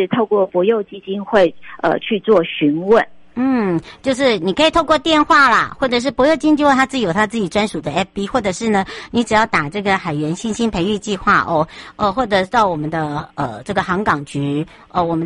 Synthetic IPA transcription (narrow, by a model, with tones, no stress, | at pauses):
t̪ʰo˥˧ʊkwɔ˥˩pwɔ˧˥jo˥˧ʊt͡ɕi˥t͡ɕi˥nxwe˥˧ɪə̰˨˧t͡ɕʰy˥˧t͡swɔ˥˩ɕy˧˥nwə˥˨nn̩˥˩t͡ɕjo˥˧ʊʂ̬ɻ̩˥˩ni˨˩kʰɤ˧˥i˨˩t̪ʰo˥˧ʊkwɔ˥˧t̪jɛ˥˧nxwa˥˩lə˩xwɔ˥˩ʈ͡ʂɤ˨˩ʂ̬ɻ̩˥˩pɔ˧˥jo˥˧ʊt͡ɕi˥nt͡ɕi˥˧wt̪a˥t͡sɹ̩˥˩˨jo˨˩t̪ʰa˥t͡sɹ̩˥˩t͡ɕi˨˩ʈ͡ʂwa˥nʂu˨˩d̪ə˦ɛ˥p̚pi˥xwɔ˥˩ʈ͡ʂɤ˨˩ʂɻ̩˥˩nə˩ni˧˥ʈ͡ʂɻ̩˨˩jɑ˥˩ʊt̪a˨˩ʈ͡ʂɤ˥˩ɡə˩xa˨˩ɪɥɛ˧˥nɕi˥nɕi˥npʰe˧ɪy˥˧t͡ɕi˥˧xwa˥˩ʔɔ˥˧ʔə˧xwɔ˥˩ʈ͡ʂɤ˨˩˥t̪ɑ˥˩ʊwɔ˨˩mə˦nd̪ə˧ə˨˩ʈ͡ʂɤ˥˩ɡə˩xɑ˧˥ŋkɑ˨˩ŋt͡ɕy˧˥ | ə˧˩wɔ˨˩mə˦n